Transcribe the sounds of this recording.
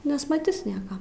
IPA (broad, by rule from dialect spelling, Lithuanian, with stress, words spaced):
nʲɛsmɐˈtʲɪs ˈnʲiɛkɐ